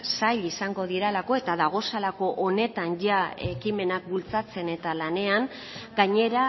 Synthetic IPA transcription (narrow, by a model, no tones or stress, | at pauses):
saʎisaŋɡo̞ð̞iɾalako̞e̞t̪aðaɣ̞o̞salako̞ʔone̞t̪anʝaekime̞nak̚bult͡sat͡se̞ne̞t̪alane̞aŋ | ɡaɲe̞ɾa